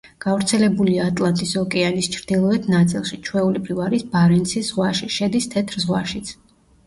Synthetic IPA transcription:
ɡ̥avɾt̪sʰɛlɛbuliaːt̪ʼlˠant̪ʼisɔkʼɛanist͡ʃʰɾd̪̥ilˠɔɛt̪ʰnat̪sʼḭlˠʃit͡ʃʰwɛulipʰɾivaɾisbaɾɛnt̪sʰiszʁwaʃiʃɛd̪ist̪ʰɛt̪ʰɾzʁwaʃit̪sʰ

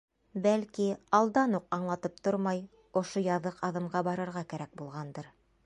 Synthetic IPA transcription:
bælkiɑlˠd̪ɑnuqɑɴlˠɑt̪ɤp̚t̪oɾmɑj | ŏʃojɑðɤqɑðɤ̆mʁɑbɑɾɤ̆ɾʁɑkæɾæk̚bulˠʁɑnd̪ɤɾ

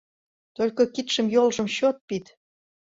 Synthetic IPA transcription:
t̪olʲkokit̪ʃə̆mjolʒə̆mɕot̪̚pit̪

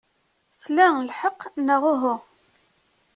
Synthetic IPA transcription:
θlælħəqːnəʁʊɦʊ

